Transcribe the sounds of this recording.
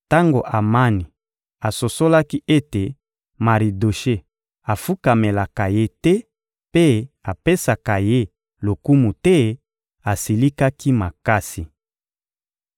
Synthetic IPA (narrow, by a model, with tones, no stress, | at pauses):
ta˦ŋɡo˨ʔa˨ma˦ni˨ | a˨so˨so˦la˦ki˦ʔe˦te˨ | ma˨ʁi˨do˨ʃe˦ | a˨fu˦ka˨me˨la˨ka˨je˦tɛ˦ | pe˦a˨pe˦sa˨ka˨je˦ | lo˨ku˦mu˨tɛ˦ | a˨si˨li˦ka˦ki˦ma˨ka˦si˨